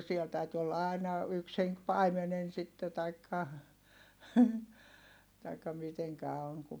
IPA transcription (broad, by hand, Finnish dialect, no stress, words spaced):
siɛl tæyty olːɑ ɑˑi̯nɑ yks heŋk pɑimenen sitːe tɑikːɑ tɑikːɑ miteŋkæ oŋ ku